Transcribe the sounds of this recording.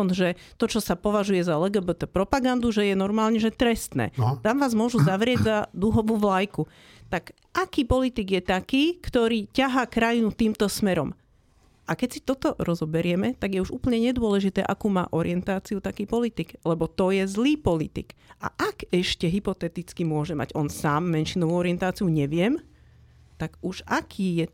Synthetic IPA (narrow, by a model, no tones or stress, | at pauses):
ɔnʒɛt̪ɔt͡ʃɔsapɔʋaʒujɛzalɛɡɛbɛt̪ɛpɾɔpaɡand̪uʒɛjɛnɔɾmaːlɲɛʒɛt̪ɾɛst̪nɛ̰ːt̪amʋaːzmʊɔʒuzaʋɾɪɛɟzad̪uɦɔʋuːʋlajku | t̪aɡ | ʔakiːpɔlit̪iɡjɛt̪akiːkt̪ɔɾiːcaɦaːkɾajinut̪iːmt̪ɔsmɛɾɔm | ʔakɛcsi̥t̪ɔt̪ɔɾɔzɔbɛɾɪɛmɛt̪aɡjɛuʒṵːpl̩ɲɛɲɛd̪ʊɔlɛʒit̪ɛ̰ːʔakuːma̰ːʔɔɾɪ̰ɛnt̪aːt͡siut̪akiːpɔlit̪iɡlɛbɔt̪ɔjɛzliːpɔlit̪ḭka̰ʔaɡɛʃcɛɦipɔt̪ɛt̪it͡skimʊɔʒɛma̰ɟɔnsaːmːɛnʃinɔʋuːɔɾɪɛnt̪aːt͡siuɲɛʋɪɛm | t̪aɡuʃakʰiːjɛ